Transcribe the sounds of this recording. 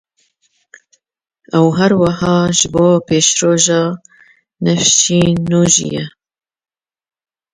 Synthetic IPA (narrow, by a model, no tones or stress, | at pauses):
ɛwɦæɾwɑhɑːʒɪboːpeːʃɾoːʒɑː | nɛfʃiːnuːʒḭjɛ